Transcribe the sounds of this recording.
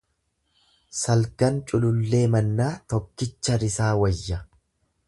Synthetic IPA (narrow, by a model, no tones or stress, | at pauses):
sɐlɡɐnt͡ʃʼʊlʊlːe̞ːmɐnːaːt̪ɔkːɪt͡ʃːɐɾɪsaːwɐjːɐ